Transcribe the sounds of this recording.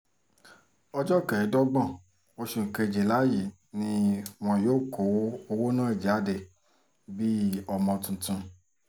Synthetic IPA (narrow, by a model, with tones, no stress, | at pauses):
ɔ˧d͡ʒɔ˦kɛ˨i˨˦dɔ˦ɡ͡bɔ̃˦˨ | o˧ʃũ˨ŋ̩˨ke˧˨d͡ʒe˨la˦ji˨ | nĩ˧˦w̃ɔ̃˧joː˦˨kʰo˨˦o˧wo˦nã˦i˦˨d͡ʒa˨˦de˧ | bi˦ɔ˧mɔ̃˧tũ˧tũ˧